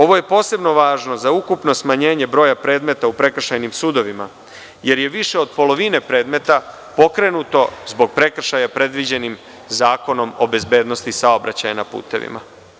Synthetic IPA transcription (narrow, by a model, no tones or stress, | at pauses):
o̞ʋo̞jepo̞ːse̞bno̞ʋaːʒno̞zaukupno̞smaɲe̞ːɲe̞bɾo̞ːjapɾe̞ːd̪me̞t̪aupɾe̞kr̩ʃajnimsuːd̪o̞ʋima̰ | je̞ɾje̞ʋiʃe̞od̪̚po̞lo̞ʋine̞pɾe̞ːd̪me̞t̪a | po̞kɾe̞nut̪o̞zbo̞ɡ̚pɾe̞kr̩ʃajapɾe̞d̪ʋid͡ʑe̞nim | zaːko̞no̞mo̞be̞zbe̞ːd̪no̞st̪isao̞bɾat͡ɕajanapṵːt̪e̞̰ʋḭma̰